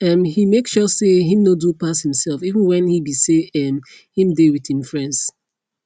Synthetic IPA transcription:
ɛ̃mhimeksʃɔseɦĩmnodupashĩmsɛlˠfivə̃nwɛ̃nhibiseɛm | hĩmdewið̥hĩmfɹɛ̃nds

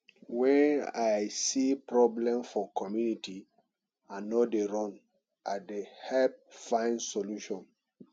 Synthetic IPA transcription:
wɛ̃najsipɹɔblɛ̃mfɔkʰɔmjunitʰi | ãnodeɹɔ̃n | ʔadehɛp̚fãɪ̃nsɔluʃɔ̃n

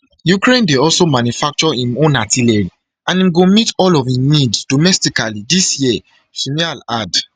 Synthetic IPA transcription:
jukɹẽndeɔlsomãnjufak̚t͡ʃɔĩmõnatilɛɹi | ãnĩmɡomitɔlɔvĩniddomɛstikalidisjiɛ | sũnialad

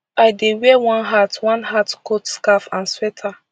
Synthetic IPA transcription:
ajdewɛwãnɦatwãnɦatkotskafãnswetʰa

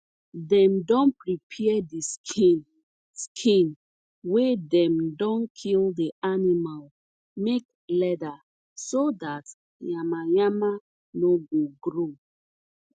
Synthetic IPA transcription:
dɛ̃mdɔ̃npɹipʰɛɛdiskin | skʰĩn | wedɛ̃mdɔ̃nkʰildianimal | mek̚ | lɛda | sodat | jamajama | noɡoɡɾo

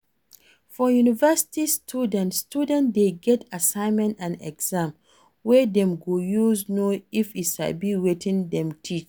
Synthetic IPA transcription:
fɔjunivɛsi̥tistʰudɛ̃ntstudɛ̃ntdeɡɛtʰasãɪ̃nmɛ̃ntãnɛ̰ɡz̥ãm | wɛdɛ̃mɡojuznoifitʃa̰biwetʰĩndɛ̃mtʰit͡ʃ

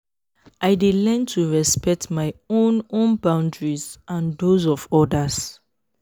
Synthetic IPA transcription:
ʔajdelɛ̃ntʰuɹɛspɛk̚tmajõnõnbãʊ̃ndɹizãndozɔvɔdəs

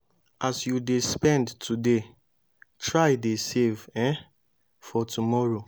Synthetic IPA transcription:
asjudespɛ̃ndtʰude | tʰɹaɪdesevɛ̃ | fɔtʰumɔɹo

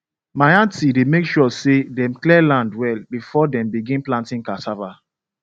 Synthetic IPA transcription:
majãntidemekʃɔsedɛ̃mklɛlãndwɛlbifɔdɛ̃mbiɡĩnplãntĩŋkasava

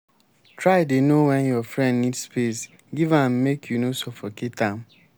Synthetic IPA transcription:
tɾaɪdenowɛ̃njɔfɹɛ̃ndnidspes | ɡivãm̩mekʰjunosɔfɔketam̩

